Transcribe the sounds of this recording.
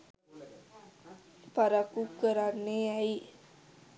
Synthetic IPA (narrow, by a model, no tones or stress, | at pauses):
paɾakukːəɾanːeɛi